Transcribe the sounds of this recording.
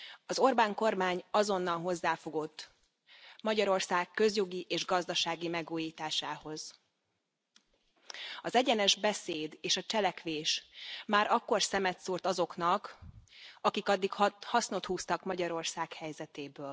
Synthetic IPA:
ɒzo̞rbaːŋko̞rmaːɲɒzo̞nːɒnɦo̞zːaːfo̞ɡo̞t̪ː | mɒɟɒɾo̞rsaːkːø̞zjo̞ɡiʔeːʒɡɒzd̪ɒʃaːɡimɛɡuːjiːt̪aːʃaːho̞z̥ | ɒzɛɟɛnɛʒbɛseːd̪eːʃɒt͡ʃɛlɛkʋeːʃmaːɾɒkːo̞rsɛmɛt̪suːrt̪ɒzo̞knɒk | ɒkikɒd̪ːikhɒsno̞t̪huːst̪ɒkmɒɟɒɾo̞rsaːkhɛjzɛt̪eːbøːl

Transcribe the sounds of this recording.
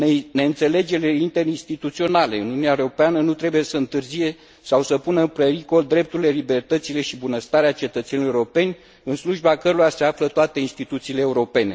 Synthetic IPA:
nne̞ɨnt̪se̞le̞d͡ʒe̞leint̪e̞ɾinst̪it̪ut̪sio̞nale̞ɨnuuneaeɾo̞peanənut̪ɾe̞buje̞səɨnt̪ɨrzije̞ | sawsəpunəɨmpeɾiko̞ld̪ɾe̞p̚t̪uɾile̞libe̞rt̪ət̪sile̞ʃibunəst̪aɾeat͡ʃe̞t̪ət̪se̞nouɾo̞pe̞nʲ | ɨnsluʒbakəɾoɾase̞aflət̪oat̪e̞inst̪it̪ut̪siːleːuɾo̞pe̞ne̞

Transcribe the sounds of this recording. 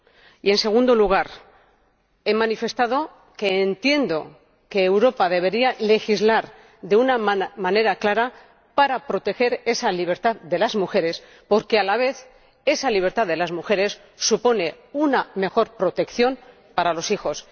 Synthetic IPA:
ie̞nse̞ɣ̞und̪o̞luɣ̞aɾ | e̞mãnife̞st̪að̞o̞ | ke̞ːnt̪je̞nd̪o̞̰ | ke̞ːwɾo̞paðe̞β̞e̞ɾiale̞xizlaɾ | ðe̞unamane̞ɾaklaɾa | paɾapɾo̞t̪e̞xe̞ɾe̞saliβe̞ɾt̪aððe̞lazmuxe̞ɾe̞s | po̞ɾkealaβ̞e̞θ | e̞saliβ̞e̞ɾt̪aððe̞lazmuxe̞ɾe̞sː | upo̞ne̞ | uname̞xo̞ɾpɾo̞t̪e̞kθjo̞n | paɾalo̞sixo̞s

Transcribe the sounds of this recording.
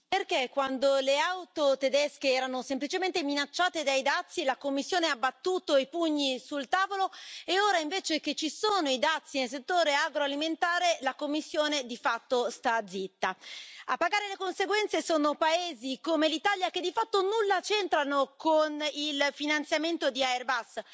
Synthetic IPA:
perkekːwand̪oleawt̪ot̪ed̪ɛskeɛːɾanosemplit͡ʃement̪eminat͡ʃːaːt̪ed̪ajd̪at̪sːilakomːisːjoːneabːat̪ːuːt̪oipuɲːisult̪aːvoloeoːɾaiɱveːt͡ʃek̟et͡ʃisoːnoid̪at̪sːinels̬et̪ːoːɾeaɡɾoaliment̪aːɾelakomːisːjoːned̪ifat̪ːost̪ad̪zit̪ːaa̰pːaɡaːɾelekonseɡwɛnt̪sesoːnopaeːzikomelit̪aljaked̪ːifat̪ːonulːat͡ʃent̪ɾanokonilfinant̪sjament̪od̪iaerbas

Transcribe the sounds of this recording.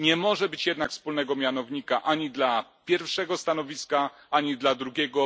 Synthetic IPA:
ɲɛmɔʐɛbɘt͡ɕjɛd̪nakfspulnɛɡɔmʲjanɔvɲikaʔaɲid̪lapʲjɛɾfʂɛɡɔst̪anɔvʲiska | aɲid̪lad̪ɾuɡʲɛɡɔ

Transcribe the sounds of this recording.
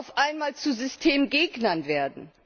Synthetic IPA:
ʊfʔaɪnmaːlt͡suzʏstʰeːmɡeːɡnɐnveːɐdn̩

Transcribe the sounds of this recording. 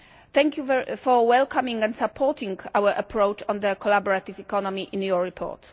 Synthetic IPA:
θɛ̃ŋkjuvfɔwɛlkʰamĩŋɡɛ̃nd̪sapʰɔɹt̪ʰĩŋɡawəʔapʰɹowt͡ʃɔ̃nd̪əkɔlabɔɹat̪ivɛkɔnɔmiʔĩnjɔɹɹipʰɔ̰ːt

